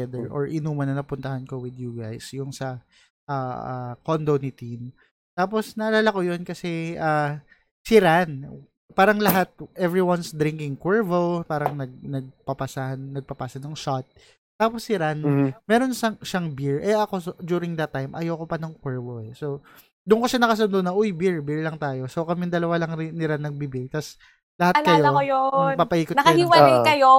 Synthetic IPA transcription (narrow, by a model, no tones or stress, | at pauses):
ɛd̪ɛɹʔo̰ɹʔɪnuːmɐnɐnɐpʊnt̪ɐhankowɪd̪juɡa̰jsjʊŋsɐ | ʔaːʔa̰kond̪onɪt̪in | t̪aːpo̞snɐɐlaːlɐkojonkɐsɛʔaː | sɪɾan | paːɾɐŋlɐɦat̪̚ʔɛvɹiwɐnsd̪ɾiŋkɪŋkwɛɹvopaːɾɐŋnɐɡ̚nɐɡ̚pɐpɐsahɐnːɐɡ̚pɐpaːsɐnɐŋʃat̪̚ | t̪aːposːɪɾanmɛːɾo̞nʃaŋʃaŋbiɹʔɛʔɐko̞sd͡ʒ̪uːɾɪŋd̪ɐt̪ːajmʔɐ̰jowkopɐnɐŋkwɛɹvoɛso | d̪ʊnkoʃanɐkɐs̬ʊnd̪oʔnɐʔojbiɹbɪɹlɐŋt̪aːjo̞sokɐmɪnd̪ɐlɐwalɐŋnɪɾanːɐɡ̚bibɪɡt̪ɐs | lɐatlkɐjoojopapɐhiːkotnɐkɐɪiwɐlajkɐjo